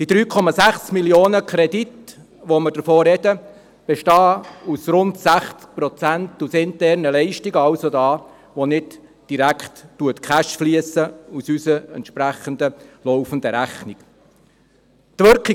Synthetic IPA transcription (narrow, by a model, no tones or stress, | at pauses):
d̥id̪ɾyːkʰɔmɑsæχsmiljoːnəkʰɾɛdit | ʋoməɾd̥əɾfoːɾɛdə | b̥ɛʃtɑːusɾʊnt̪sæχt͡sk̚pɾɔt͡sænt̪usɪnt̪ɛɾnəlɛɪʃtiɡɑwsodɑː | ʋonɪt | d̥iɾækʰχttːuətkʰχæʃfliəsəusysəɛ̰ntʃpɾæχənd̪əlɔwfənd̪əɾæχnik | t̪ʋɵɾki